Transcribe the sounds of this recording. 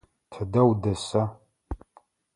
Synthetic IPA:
tʰɨdɐwdɐsa

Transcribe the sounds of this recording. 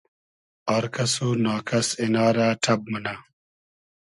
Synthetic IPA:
aːɾkɐsonaːkɐsenaːɾaːʈʰɐb̚mɐna

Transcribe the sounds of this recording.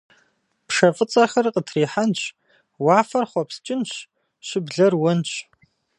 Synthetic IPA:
pʂɐfʼɨt͡sʼɐxɐrqətʰriːħanɕ | waːfɐrχʷɔpst͡ʃʼɪnɕ | ɕɪbɮɐrwɔnɕ

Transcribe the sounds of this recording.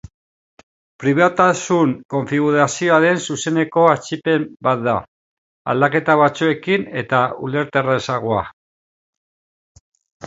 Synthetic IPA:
pɾiβ̞at̪asuŋko̞ɱfiɣ̞uɾasio̞aðe̞nsuse̞ne̞ko̞at͡ʃipe̞mbat̪̚d̪a | a̰ld̪ake̞t̪aβ̞at͡sue̞kine̞t̪aṵle̞ɾt̪eraesaɣ̞oa̰

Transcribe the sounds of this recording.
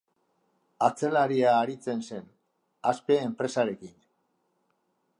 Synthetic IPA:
at͡se̞laɾiaːɾit͡se̞nse̞n | aspe̞ːmpɾe̞saɾe̞kin

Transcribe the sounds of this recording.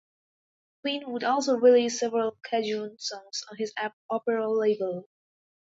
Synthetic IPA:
kʰl̥ĩnwədɔlˠsoʊɹiliz̥sɛvəɹəlˠkʰæd͡ʒũnsɔ̃ŋz̃n̩ɪzæp̚ɔpəɹəleɪbəlˠ

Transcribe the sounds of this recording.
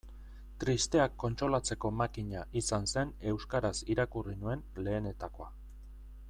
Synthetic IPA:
t̪ɾist̪eakːo̞nt͡ʃɾo̞lat͡se̞ko̞makiɲaʔisanse̞ne̞wskaɾasiɾakurinue̞nle̞ːne̞t̪ako̞a

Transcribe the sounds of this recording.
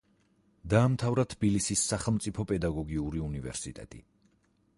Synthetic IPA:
d̪aːmt̪ʰavɾat̪ʰb̥ilisisːaχɛlˠmt̪sʼipʰɔpʼɛd̪aɡɔɡiuɾiunivɛ̰ɾsit̪ʼɛ̰t̪ʼḭ

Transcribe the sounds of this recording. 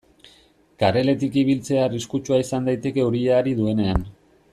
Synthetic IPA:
kaɾe̞le̞t̪ikiβ̞ilt͡se̞ariskut͡ʃuaisand̪ajt̪e̞ke̞uɾiaːɾiðue̞ne̞an

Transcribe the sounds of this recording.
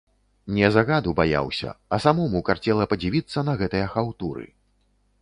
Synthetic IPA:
nʲɛzaɣad̪ubaja̰wsʲɐ̰ɐsamɔmukart͡sʲɛlˠɐpɐd͡zʲivʲit̪sːɐnɐɣɛt̪ɨjɐxawt̪uɾɨ̰

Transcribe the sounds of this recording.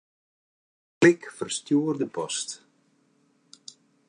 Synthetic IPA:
klɪkfərstjuərdəpɔst

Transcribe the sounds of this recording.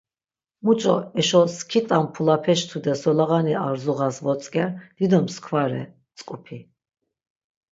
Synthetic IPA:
mut͡ʃʼɔ̰ɛʃɔskʰit̪ʼampʰulapʰɛʃt̪ʰud̪ɛsɔlaʁaniaɾzuʁasvɔt͡sʼkʼɛɾd̪̥id̪ɔmskʰvaɾɛ̰ | t͡sʼkʼupʰi

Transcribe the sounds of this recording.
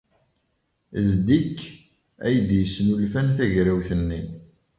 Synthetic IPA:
ðd̪ikː | æ̰jəd̪jəsːnulfænθæʝɾæwθənːi

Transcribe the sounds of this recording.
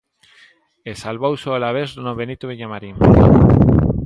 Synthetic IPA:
esalβowsoalaβezðonoβenit̪uβiɲamaɾim

